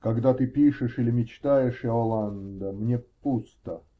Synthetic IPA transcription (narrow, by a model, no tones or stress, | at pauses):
kɐɡd̪at̪ɨpʲiʂɨʂilʲɪmʲɪt͡ɕt̪ajɪʂjaolˠand̪əmnʲepust̪ə